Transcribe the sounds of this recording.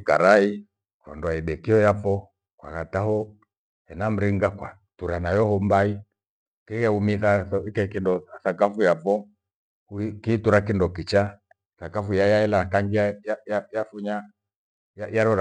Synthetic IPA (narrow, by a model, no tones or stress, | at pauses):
kaɾai | kɾɔ̰ndɔaiɓɛkiɔjapɔ | kwa̰ɣatahɔ | ɛnam̩ɾiŋɡakwa̰ | tuɾanajɔhɔmbai | kɛkɛumiθaɔikɛkindɔsakafujapɔ | kkiːtuɾak̬indɔkit͡ʃa | θakafujajaɛlakaŋɡiajajajafuɲa | jajaɾɔɾa